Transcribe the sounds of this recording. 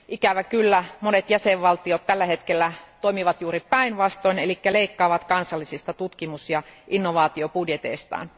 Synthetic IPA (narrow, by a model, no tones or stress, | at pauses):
ʔikæʋækylːæmonet̪jæseʋʋɑlt̪iot̪t̪ːælːæhet̪kelːæt̪oimiʋɑt̪juːɾipæinʋɑst̪oinelikːæleikːɑːʋɑt̪kɑnsɑlːisist̪ɑt̪ut̪kimusjɑʔinːoʋɑːt̪iopudjet̪ḛist̪ɑ̰ːn